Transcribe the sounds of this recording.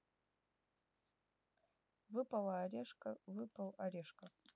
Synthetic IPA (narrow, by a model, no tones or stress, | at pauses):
vɨpɐlˠɐːɾʲeʂkəvɨpɐlˠɐɾʲeʂkə